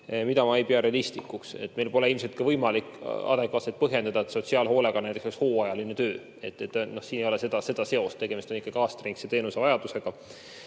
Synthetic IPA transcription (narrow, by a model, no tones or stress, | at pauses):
mid̪ɑmɑejpeɑɾeɑlist̪ikːˑuksḛt̪ːmelpo̞leilms̬elt̪̚kɑvɤjmɑlikːɑ̰d̪̥ekvɑːselt̪̚pɤɦje̞nd̪ɑd̪ɑet̪so̞t̪ʲsiɑːlɦo̞ːle̞ɡ̥ɑnæjt̪eksokshoːɑjɑlinet̪ø̞ː | e̞t̪ːˑet̪ːˑno̞hsiːnejo̞lese̞d̪ɑse̞d̪̥ɑse̞o̞st̪eɡ̥e̞mist̪onikːˑɑɡ̥iɑːst̪riŋkset̪e̞ːnuse̞vɑjɑd̪̥use̞ɡ̥ɑ